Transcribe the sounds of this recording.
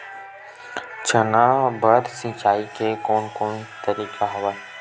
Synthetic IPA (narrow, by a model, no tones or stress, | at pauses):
t͡ʃənaːbʱəɾsĩt͡ʃaːikekoːnkoːnt̪əɾiːkʰaɦɐʋaː